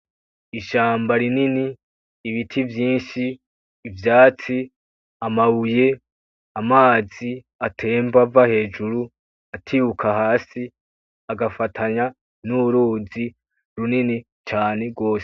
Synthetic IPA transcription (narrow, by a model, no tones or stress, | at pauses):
iʃaːmbaɾininiː | βitʰivjiːnʃiː | vjaːt͡si | amawuje̞ | amaːzi | atʰe̞ːmbavahe̞ːd͡ʒuɾu | atʰiukʰaɦaːsi | aɡafatʰaɲa | nuɾuːzi | ɾunini | t͡ʃaːne̞ɡo̞ːse̥